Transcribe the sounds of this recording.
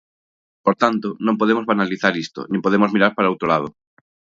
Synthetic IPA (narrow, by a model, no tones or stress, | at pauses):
poɾt̪ant̪onõŋpoðemozβanaliθaɾist̪o̰nɪ̃mpoðemozmiɾaɾpaɾaowt̪ɾolað̞o